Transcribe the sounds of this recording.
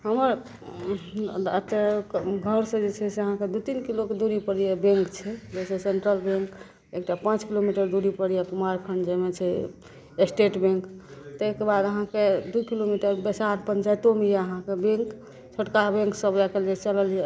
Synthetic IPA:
ɦəməɾ | t̪eɡʱəɾsə̃d͡ʒet͡ʃʰɛseəɦãked̪ut̪inkiloked̪uɾipəɽijebẽŋkt͡ʃʰɛd͡ʒet͡ʃʰɛseɳʈɾəlbẽŋk | ekʈapãt͡ʃkilomiʈəɾd̪uɾipəɽijekumaɾkʰənd͡ʒəmet͡ʃʰɛ | esʈeʈbẽŋkt̪ekebad̪əɦãked̪ujkilomiʈəɾbesaɾpənt͡ʃajt̪omijeəɦãkebẽŋk | t͡ʃʰoʈkabẽŋksəbɾakelet͡ʃələlie

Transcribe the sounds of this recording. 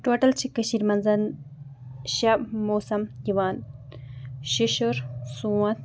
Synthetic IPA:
ʈoʈɐlt͡ʃʰikɐɕiɾmɐnzɐn | ɕɐbmoːsɐmjiʋaːn | ɕiʃuɾsuwɐ̃t̪

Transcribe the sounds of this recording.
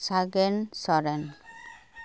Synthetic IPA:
saɡensɔɾen

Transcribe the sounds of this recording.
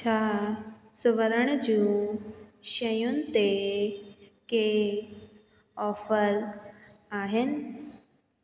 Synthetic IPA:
t͡ɕʰa | suʋəɾəɳ̃d͡ʑũː | ɕəjũnt̪e | ke | ɔfəɾ | aːɦen

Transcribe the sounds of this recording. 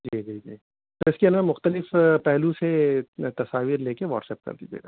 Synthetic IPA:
d͡ʒiːd͡ʒiːd͡ʒiː | t̪oɪskiɐnamʊxt̪əlɪfpɛɦluset̪ɐsaːʋiːɾleːkeʋɔ̰ːʈsɛːp̚kɐ̰ɾd̪id͡ʒḛːɡa

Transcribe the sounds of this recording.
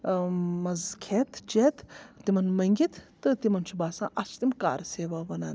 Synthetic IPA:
mɐzkʰeːt̪ʰd͡ʒeːt̪t̪imɐnmɐŋɡʲit̪ʰt̪ɨt̪imɐnt͡ʃʰubaːsã̰ːʔɐst̪imka̰ːɾseːʋaːʋɐnaːn

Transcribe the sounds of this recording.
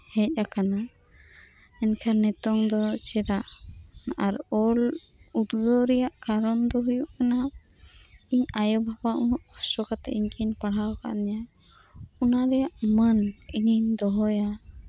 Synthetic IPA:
hɛc̚ˀakana | ɛnkʰaɾnɛt̪ɔŋd̪ɔt͡ʃɛd̪aʔ | aɾɔl | ud̪ud̪ɔɾɛjaʔkaɾɔnd̪ɔɦujuʔkana | iɲajɔbʱabaʔuuʔɔsɔkat̪ɛ̰ʔiɲkʰiɲpaɽ̤awka̰ʔnɛja | unaɾɛjaʔməniɲiɲd̪ɔɦɔja

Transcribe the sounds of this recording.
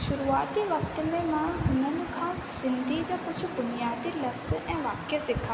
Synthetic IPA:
ʃʊɾuaːt̪iʋəkt̪mɛ̃mãɦʊnənukʰãː | sɪnd̪ʱid͡ʒãpʊt͡ʃʰubʊnjaːd̪iləbsɛ̃ʋaːkjəsɪkʰa

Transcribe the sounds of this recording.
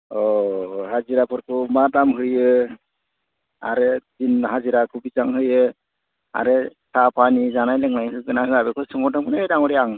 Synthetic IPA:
ɔɦaziɾapʰɯɾkʰɯmadamɦɯjɯ | a̰ɾezinɦaziɾakʰubizaŋɦɯjɯ | a̰ɾɛsʰapʰanizanajlɛŋnajɯɡɯnakɯabɛkʰɔsɯŋɔdɔmkʰɯnaɯjdaŋɔɾiaŋ

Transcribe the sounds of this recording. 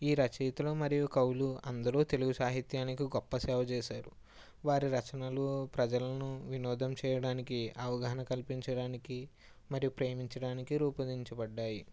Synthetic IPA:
iːɾɐt͡ʃiːt̪ɐloːmɐɾijukɐwluɐnd̪ɐɾuːt̪e̞luɡusaːɦit̪jaːnikiɡɔpːɐsɛːʋɐt͡ʃɛːʃaːɾu | ʋaːɾiɾɐt͡ʃɐnɐlupɾɐd͡ʒɐlɐnuʋinɔːd̪ʱɐmt͡ʃɛːjɐɽaːnikiʔɐʋɐɡɐɦɐnɐkɐlpiɲt͡ʃɐɽaːniki | mɐɾijupɾe̞ːmiɲt͡ʃɐɽaːnikiɾuːpɐd̪iɲt͡ʃɐbɐɖːaːji

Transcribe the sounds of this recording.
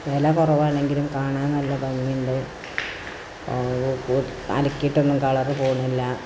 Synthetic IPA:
ʋelɐkurɐʋaːɳe̞ŋɡilumkaːɳaːnnɐlːɐbɐmːijuɳɖe | ku | ɐ̰lɐkʲːiʈːonːumkɐɭɐrɨpoːɣunːilːɐ

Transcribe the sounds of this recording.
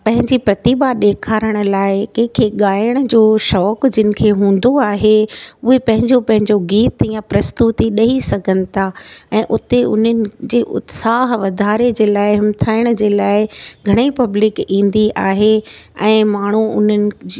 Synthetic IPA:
pɐ̃ɦɪ̃ɲd͡ʑipɾɐt̪ɪbaɗeːkʰaːɾəɽ̃ʊ̆laːɪkɛ̃ɪ̃kʰeːɠaːjəɽ̃əd͡ʑoːʃɔːkd͡ʑɪnɪ̆kʰeːɦũːn̆d̪oaːɦeʊɦepɐ̃ɦɪ̃ɲd͡ʑopɐ̃ɦɪ̃ɲd͡ʑoɡiːt̪jãpɾɐst̪ut̪iɗɐɦisɐɡʱənɪ̆t̪ʰaɛ̃ːʔʊt̪eʊ̰n̤ənɪ̆d͡ʑeːʔʊ̰t̪saːɦʋɐd̪ʱaːɾed͡ʑeːlaːɪɦɪmt̪ʰaːɪɽ̃əd͡ʑeːlaːɪɡʱɐɽ̃eipɐblɪkĩːn̆d̪iʔaːɦeɛ̃ːmaːɳ̤uʊ̰n̤ənɪ̆

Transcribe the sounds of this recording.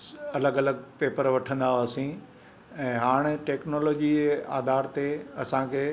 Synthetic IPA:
ɐləɡɐləɡ̚peːpəɾʋɐʈʰə̃nd̪aosĩ | ɛ̃ːɦaːɽ̃ʈeːknoːloːd͡ʑiaːd̪ʱaːɾt̪eɐsãkʰeː

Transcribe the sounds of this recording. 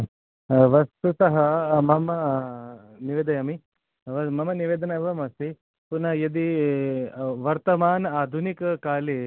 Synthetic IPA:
ʋɐst̪ut̪ɐɦɐmɐmɐ | niʋeːd̪ɐjɐmi | ʋɐmɐmɐniʋeːd̪ɐnɐʋɐmɐsi | punɐjɐd̪i | ʋɐɾt̪ɐmaːnaːd̪ʱunikɐkaːle

